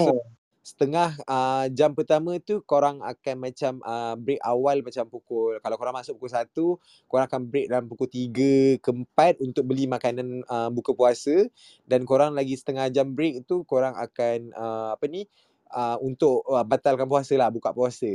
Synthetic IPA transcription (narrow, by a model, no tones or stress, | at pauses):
so | sə̥t̪əŋahəd͡ʒampərt̪amə̃t̪ukoɾaŋa̰kanmat͡ʃaməbɾekawalmat͡ʃampukʊlkalawkoɾaŋmasʊʔpukulsat̪u | koɾaŋakanbɾek̚dalampukut̪iɡəkəmpat̪̚unt̪ʊk̚bəlimakanãnəbukəpuasə | dankoɾaŋlaɡisə̥t̪əŋahd͡ʒambɾek̚t̪ukoɾaŋa̰kanəapəni | əunt̪ʊʔəbat̪alkanpuasəlahbuka̰ʔpuasə